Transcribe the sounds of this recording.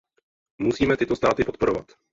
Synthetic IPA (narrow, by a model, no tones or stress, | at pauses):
musiːmɛt̪ɪt̪ost̪aːt̪ɪpo̞t̪̚po̞ɾova̰t̪